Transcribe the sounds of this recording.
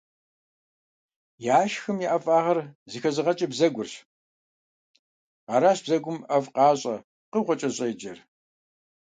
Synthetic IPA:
jaːʃxɨmjiʔɐfʼaːʁɐrzɨxɐzɨʁɐt͡ʃʼɐbzɐɡʷʊrɕ | ɑːɾaːɕb̥zɐɡʷʊmɐvqɑːɕʼɐ | qəʁʷɔt͡ʃʼɐɕʼɐjd͡ʒɐr

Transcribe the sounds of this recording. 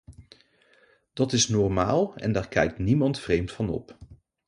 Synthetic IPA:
d̥ɑtɪsnɔɹmaːlˠɛ̰ndaːɹkɛjk̚tnimɑntfrejmtfɑnɔ̰p

